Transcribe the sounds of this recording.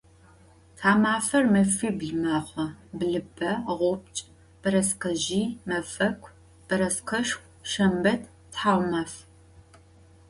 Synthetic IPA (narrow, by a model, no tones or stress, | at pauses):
tʰaːmaːfɐrmɐfiːbɮɨmaːχʷɐbɮɨbɐʁʷʊp̚t͡ʃʼ | b̥ɨɾɐsqɐʒiːmɐfɐkʷʰʼ | b̥ɐɾɐsqʰɐʃxʷ | ʃɐmbɐtʰ | tħaːwʷmaːf